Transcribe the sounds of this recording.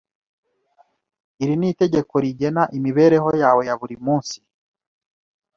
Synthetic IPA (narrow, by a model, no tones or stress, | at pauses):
iɾinite̞ɟe̞ko̞ɾiɟe̞naʔimiβe̞ːɾe̞ɦo̞jaːwe̞jaβuɾimuːnsi̥